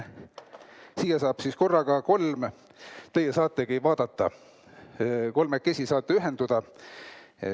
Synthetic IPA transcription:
siːjesɑːb̥sisko̞rːɑɡ̥ɑko̞lm | t̪ejesɑːt̪ːˑekejvɑːd̪̥ɑt̪ːɑ̰ | ko̞lmekːe̞sʲisɑːt̪ːˑeyɦe̞nd̪ud̪̥ɑ

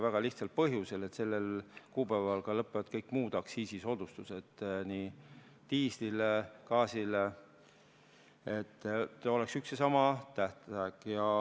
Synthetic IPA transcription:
væɡ̥ɑliht̪sɑlpɤɦjuse̞le̞t̪se̞lːelkuːpævɑlkɑlɤpːˑevɑd̪̥̚kɤjkːmuːd̪̥ɑksiːsiso̞d̪̥ust̪use̞d̪̥ni | t̪iːslilekɑːsile | et̪ːo̞le̞ksyksesɑmɑt̪æht̪æɡ̥jɑ

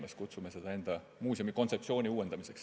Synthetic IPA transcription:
meskut̪sumesed̪̥ɑe̞nd̪̥ɑ | muːsʲomikot̪sep̚ːsio̞ːnʲiuːed̪̥ɑmiseks

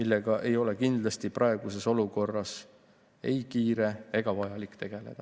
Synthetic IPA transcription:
milːe̞ɡ̥ɑʔe̞jo̞le̞kind̪̥lɑst̪ipɾʔɑe̞ɡ̥use̞so̞luko̞rːɑs | e̞jkiːɾe̞e̞ɡ̥ɑvɑjɑlikːˑt̪e̞ɡ̥e̞le̞d̪̥ɑ

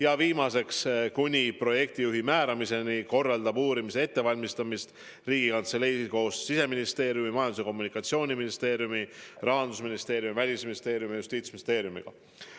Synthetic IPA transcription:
jɑviːmɑse̞kskunʲipro̞je̞k̚t̪ijuɦimæːɾɑmise̞niko̞rːɑld̪ɑbuːɾimise̞e̞t̪ːe̞vɑlʲmist̪ɑmist̪ | riːɡ̥ikɑnt̪se̞lejsiko̞ːsːise̞minist̪e̞ːɾjumimɑjɑnd̪use̞ko̞mːunikːˑɑt̪sio̞ːnʲiminist̪e̞ːɾjumirɑɦɑnd̪usminist̪e̞ːɾjumivælʲisminist̪e̞ːɾjumijust̪iːt̪sminist̪e̞ːɾjumḭɡ̥ɑ̰

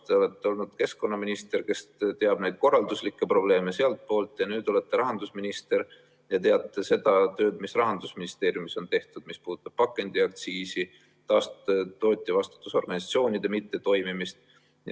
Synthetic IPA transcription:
t̪e̞ole̞t̪ːeo̞lnud̪̥ke̞sko̞nːɑminist̪e̞rke̞st̪e̞ɑb̥nejd̪̥̚ko̞rːɑld̪uslikːe̞pro̞b̥le̞ːme̞seɑlt̪̚po̞ːlt̪ːˑjɑnyːd̪̥o̞le̞t̪ːe̞ɾɑɦɑnd̪usminist̪e̞ɾ | jɑt̪e̞ɑt̪ˑːese̞d̪̥ɑt̪ø̞ːd̪̥misrɑɦɑnd̪̥usminist̪eːɾjumiso̞nt̪e̞ht̪ud̪̥mispuːd̪u̥t̪ːˑɑb̥̚pɑkˑːe̞nd̪iɑk̚t̪siːsi | t̪ɑːst̪t̪ːo̞ːt̪ʲːˑivɑst̪u̥t̪ːˑuso̞̰rɡ̥ɑnisɑt̪sio̞ːnʲid̪̥e̞mit̪ːe̞t̪o̞jmimist̪ | j

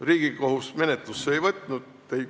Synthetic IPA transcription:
riːɡ̥iko̞husme̞net̪ˑlusːeejvɤt̪ˑnud̪̥ | ej

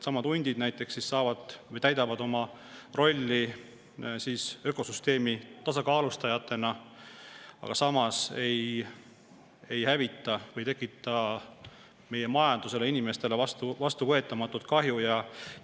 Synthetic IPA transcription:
sɑmɑd̪unʲd̪̥ʲid̪̥næjt̪ːˑe̞ksːisːɑːvɑd̪̥vɤjt̪æjd̪ɑvɑd̪o̞mɑ | ro̞lʲːi | siːsø̞ko̞syst̪e̞ːmit̪ɑsɑkɑːlust̪ɑjɑt̪ːˑe̞nɑ | ɑ̰ɡ̥ɑsɑmɑse̞j | e̞jhævit̪ːˑɑvɤjt̪e̞kːˑit̪ːˑɑ | me̞je̞mɑjɑnd̪̥use̞le̞inʲime̞st̪e̞le̞vɑst̪uvɑst̪uvɤ̞e̞t̪ːˑɑmɑt̪ːˑut̪̚kɑɦjujɑ

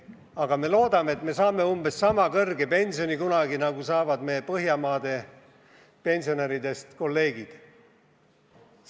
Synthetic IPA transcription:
ɑɡ̥ɑme̞lo̞ːd̪̥ɑme̞et̪ˑme̞sɑːme̞umbe̞sːɑmɑkɤrɡe̞pe̞nʲsio̞nikunɑɡinɑɡ̥usɑːvɑd̪̥me̞jːepɤɦjɑmɑːd̪̥e̞ | pe̞nʲsioneɾid̪e̞st̪ko̞lːe̞ːɡ̥id̪̥

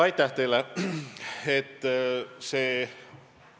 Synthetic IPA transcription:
ɑjt̪ːˑɑht̪e̞jle | et̪ːˑseː

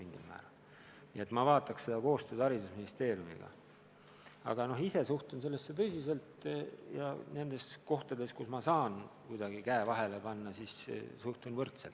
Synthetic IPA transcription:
miŋɡ̥ḭlmæ̰ːɾɑl | nḭe̞t̪ːˑmɑvɑːt̪ːˑɑksse̞d̪̥ɑko̞ːst̪ød̪̥ɑɾid̪usminist̪e̞ːɾjumḭɡ̥ɑ̰ | ɑ̰ɡ̥ɑno̞ɦise̞suht̪uns̬e̞lːesːe̞t̪̬ɤsʲise̞lt̪jɑ̰ne̞nd̪e̞sko̞ht̪ɑd̪e̞skusmɑsɑːnkujd̪̥ɑɡ̥ikæevɑɦe̞le̞pɑnːɑsissuht̪unvɤrt̪selt̪ː

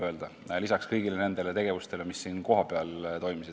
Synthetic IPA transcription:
ø̞ld̪̥ɑlisɑkskɤjɡ̥ile̞ne̞nd̪e̞le̞t̪e̞ɡ̥e̞vust̪e̞le̞misːiːnko̞ɦɑpeɑlt̪o̞jmisid̪

